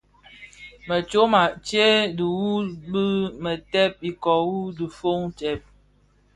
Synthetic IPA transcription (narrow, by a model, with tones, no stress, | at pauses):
mə˨t͡ʃo˦ma˨t͡ʃe˦di˨wu˦bə˦mə˨tɛ˦p̚i˨kɔ˨wu˦di˨fo˦ŋtɛ˦˨p̚